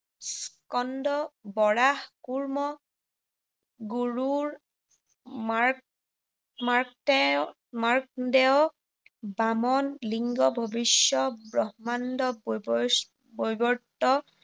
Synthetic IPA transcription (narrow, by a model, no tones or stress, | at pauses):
skɔndɔbɔɹahkuɹmɔ | ɡuɹuɹ | ma | maɹktɛ | maɹk̚dɛɔ | bamɔnliŋɡɔbʱɔbisjɔbɹɔɦmandɔ | bojbɔɹtːɔ